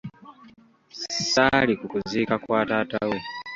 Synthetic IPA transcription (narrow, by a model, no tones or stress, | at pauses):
salikukuzikakwaːtaːtawe